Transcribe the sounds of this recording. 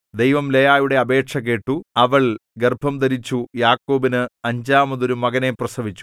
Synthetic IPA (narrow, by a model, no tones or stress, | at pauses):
d̪ejʋɐmlejaːjuɽe̞ɐbe̞ːʈʂɐk̬ːe̞ːʈːuɐʋɐɭɡerbʱɐmd̪ɐɾit͡ɕːujaːkːo̞ːbinɨɐɲd͡ʑaːmɐðoɾumɐɣɐneprɐsɐʋit͡ɕːu̥